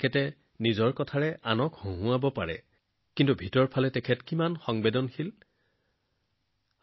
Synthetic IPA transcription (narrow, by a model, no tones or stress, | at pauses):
kʰɛtɛ | nizɔɹkɔtʰaɹɛʔanɔkhũɦʊ̃abɔpaɹɛ̰ | kintubʱitɔɹpʰalɛtɛkʰɛtkimanxɔŋbedɔnxil